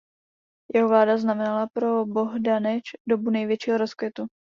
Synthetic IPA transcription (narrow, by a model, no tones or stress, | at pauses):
jɛɦovlaːdaznamɛnalapɾo̞bo̞ɦdanɛt͡ʃdo̞bunɛjvjɛt͡ʃiːɦoɾoskvjɛt̪u